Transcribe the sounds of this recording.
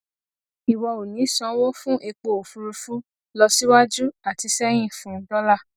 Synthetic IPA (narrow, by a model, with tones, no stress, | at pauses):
i˨wɔ˧o˨nĩ˨˦sɔ̃˧˦wo˦fũ˦ʔe˧k͡po˧˨o˨fu˧ɾu˧fu˦ | lɔ˧si˦wa˦d͡ʒu˦a˨ti˨˧sɛ˦j̃ĩ˦˨fũ˦dɔ˦la˦˨